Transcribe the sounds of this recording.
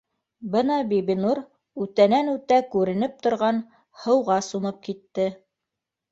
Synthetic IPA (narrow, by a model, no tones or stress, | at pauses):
bɤnɑbibinuɾ | ʉt̪ænænʉt̪ækʉɾɘ̆nɘp̚t̪ŏɾʁɑn | hɤ̆wʁɑsumɤp̚kit̪ːɘ